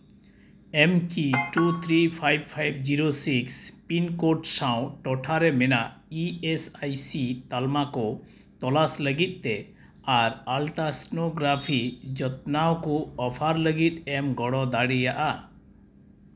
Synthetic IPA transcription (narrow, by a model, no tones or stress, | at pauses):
ɛmkiʈut̪ʰɾipʰajb̚pʰajbd͡ʒiɾosikspinkoʈsaw̃ʈɔʈʰaɾɛmɛnaʔiesajsit̪almakɔt̪ɔlasləɡit̪̚ˀt̪e | aɾalʈasnoɡɾapʰid͡ʒət̪̚nawkuɔpʰaɾləɡit̪̚ɛmɡɔɽɔd̪aɽijaʔa